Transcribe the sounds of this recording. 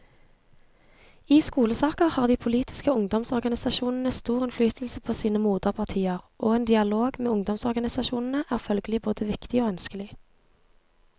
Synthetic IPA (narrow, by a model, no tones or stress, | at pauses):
iːskuːləsɑːkəʁhɑːʁd̪iːpʰʊliːt̪ɪ̥skəʊŋd̪ɔmsɔʁɡɑnɪsɑʃuːnn̩əst̪uːʁɪnflyːt̪ʰl̩səpʰoːsiːnəmuːd̪əʁpʰɑʁt̪ʰiːəʁʔoːeːnd̪ɪɑloːɡmeːʊŋd̪ɔmsɔʁɡɑnɪsɑʃuːnn̩əʔæːʁfœlɡəlɪboːd̪əʋɪkt̪ɪoːœnskəlɪ